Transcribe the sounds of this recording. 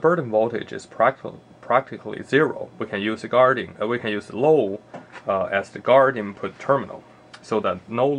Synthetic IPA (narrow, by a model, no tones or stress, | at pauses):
bɜ˞dⁿn̩voʊɾɪ̰d͡ʒɪ̰z̥pʰɹ̥æk̚ | pʰɹ̥æk̚tʰɨkʰl̩ḭzɪɹo̰ʊwikʰɨ̃njʉzɨɡɑɹɾɪ̃nwikʰɨ̃njʉzəloʊ | ɨzðɨɡɑɹd̃n̩pʰʊtʰɜ˞mənl̩ˠ | soʊðət̚noʊ